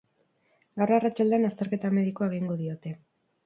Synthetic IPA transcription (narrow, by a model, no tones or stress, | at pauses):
ɡawrarat͡ʃald̪e̞anast̪e̞ɾke̞t̪ame̞ðikoeɣiŋɡo̞ðio̞t̪e̞